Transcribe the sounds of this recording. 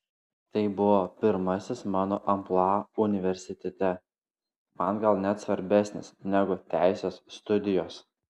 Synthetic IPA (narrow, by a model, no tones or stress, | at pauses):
t̪ɐɪbʊʋoːpʲɪɾmɐsʲɪsmɑːnoːʔɐmplˠɑʊnʲɪʋʲɛɾʲsʲɪt̪ʲɛt̪ʲɛ | mɐnɡɐlˠnʲɛt̪sʋɐɾʲbʲæsʲnʲɪ̰snʲæɡʊt̪ʲæˑɪsʲeːsːt̪ʊd̪ʲɪjoːs